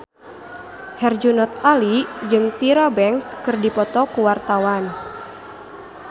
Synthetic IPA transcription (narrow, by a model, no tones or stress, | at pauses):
hɛrd͡ʒunɔt̪alid͡ʒɨŋt̪iɾabɛŋskɨrdipɔt̪ɔkuwart̪awan